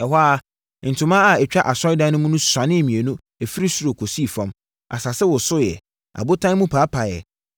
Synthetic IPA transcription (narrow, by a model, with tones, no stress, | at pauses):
ɛ˨ɦa˦a˦ | n̩˨tʰʊ̃˨mã˦a˨ɛ˨t͡ɕᶣa˦ʔa˨sɔ˦ɪ˦dã˦nʊ̃˦mũ˦nũ˦sã˨nɪ̃˦˨mĩ˨e˨nũ˦ | æ˨fi˦ɾi˦su˦ɾo˨kʰo˨si˦˨fã˦m | a̰˨sa˨sɛ˦wʊ˨sʊ˦jɛ̰˨ | a̰˨bʊ˦tʰã˦mũ˦pʰaː˨˦pʰa˨jɛ̰˨